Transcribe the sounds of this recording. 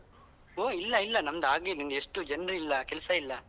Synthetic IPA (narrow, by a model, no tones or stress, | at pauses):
oːilːɐilːɐnɐmɐd̪aːɡinind̪eʂʈud͡ʒɐnɾiilːɐkɛlsɐilːɐ